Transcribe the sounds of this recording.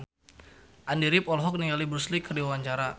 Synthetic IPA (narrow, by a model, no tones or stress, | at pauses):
ʔandiɾɪpɔlɦɔk̚niŋalibɾuslikərdiwawaɲt͡ʃaɾa